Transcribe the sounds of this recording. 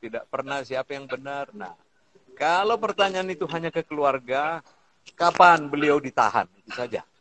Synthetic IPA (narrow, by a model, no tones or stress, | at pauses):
t̪idaʔpərnahsiapajaŋbənərna̰h | kalawpərt̪aɲaːnit̪uɦaɲakəkəluarɡa | kapanbəliawdit̪a̰ɦa̰nit̪usad͡ʒa̰